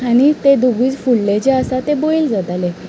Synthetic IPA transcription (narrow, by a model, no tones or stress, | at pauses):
añit̪ed̪uɡuːt͡sfuɭlet͡ɕeəsat̪eboild͡zat̪ale